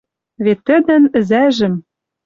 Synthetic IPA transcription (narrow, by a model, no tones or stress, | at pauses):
βet̪ːɘ̆d̪ɘ̆nɘ̆zæʒɘ̆m